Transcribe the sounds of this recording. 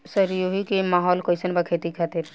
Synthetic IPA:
səɾjoɦikemaɦɔːlkojsənbakʰet̪ikʰat̪iɾ

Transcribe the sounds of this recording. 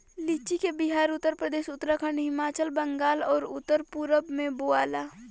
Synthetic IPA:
lit͡ʃikebɪɦaːɾʊt̪ːəɾpɾəd̪eːʃʊt̪ɾəkʰəɳɦɪmaːt͡ʃəlbə̃ŋɡaːlɔːɾʊt̪ːəɾpuɾəbmẽboaːlaː

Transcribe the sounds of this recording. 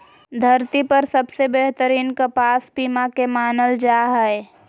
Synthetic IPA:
d̪ʱɐɾt̪ipɐɾsɐbsebeɦt̪əɾiːnkɐpaːspiːmakemaːnəld͡ʒaːɦɛe

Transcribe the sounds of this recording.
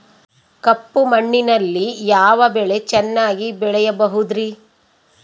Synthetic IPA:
kɐpːumɐɳːinɐlːijaːʋɐbɛɭe̞t͡ʃɛnːaːɡibɛɭɛjɐbɐɦud̪ɾi

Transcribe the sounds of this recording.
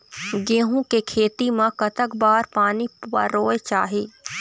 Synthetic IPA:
ɡeːɦũkekʰeːt̪imãkɐt̪əkbaːɾpaːniɐ̰ɾoːet͡ʃa̰ːɦeː

